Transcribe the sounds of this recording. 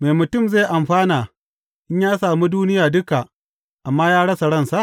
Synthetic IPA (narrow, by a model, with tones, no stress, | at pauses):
me˨jmʊ˨tʊ˦˨mze˦˨ʔa˨mɸaː˦naː˨ | ʔɪ˦ɲjaː˦saː˨muː˦duː˦nɪ˦jaː˨dʊ˦ka˨ | ʔa˨mːaː˦jaː˦ɽɐ˦sa˨ɽɐ˦˨nsa˨ʔ